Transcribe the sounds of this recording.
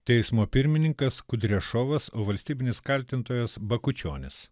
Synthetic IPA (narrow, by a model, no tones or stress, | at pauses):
t̪ʲɛɪsmoːpʲɪɾʲmʲɪnʲɪŋkɐskʊd̪ʲɾʲɛʃoːʋɐsoːʋɐlʲsʲt̪ʲiːbʲɪnʲɪskɐlʲt̪ʲɪnt̪oːjɛsbɐkʊt͡ʃʲo̰ːnʲɪs